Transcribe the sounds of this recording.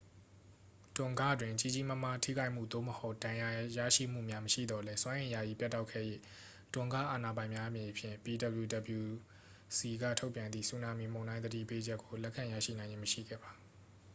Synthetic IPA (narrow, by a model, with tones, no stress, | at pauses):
tʊ̃˨ŋɡä̰˦˨dwɪ̃˨t͡ɕi˦˨d͡ʑi˨mə˦m̥a˦tʰḭ˦ɡa˦ɪʔm̥ṵ˦˨d̪o̰˦˨məho˦ʊd̥ã˨ja˨ja̰˦˨ʃḭ˦˨m̥ṵ˦˨mja˦məʃḭ˦˨d̪ɔ˨lɛ˦swã˦ʔɪ̃˨ja˨ji˨pja˦tːa˦ʊkʰɛ̰˦˨jḛ˦˨ | tʊ̃˨ŋɡä̰˦˨ʔa˨na˨bã˨ɪ̃mja˦ʔə˦mjẽ˨pʰjɪ̰̃˦˨mpi˨də˨blju˨də˨bju˨ | si˨ɡä̰˦˨tʰo˦ʊpjã˨nd̪ðḭ˦˨su˦˨nã˦mi˦˨mõ˨ʊ̃ndã˦ɪ̃d̪ədḭ˦˨pe˦d͡ʑɛ˦ʔkːo˨lɛ˦ʔkʰːã˨jä̰˦˨ʃḭ˦˨nã˨ɪ̃ɲɪ̃˦məʃḭ˦˨ɡɛ̰˦˨ba˨